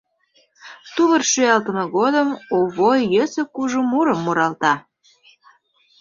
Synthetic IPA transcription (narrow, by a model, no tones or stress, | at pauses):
t̪uβərʃyɑlt̪əmeɣod̪əmoβojjøsə̆kuʒumuɾəmːuɾɑlt̪ɑ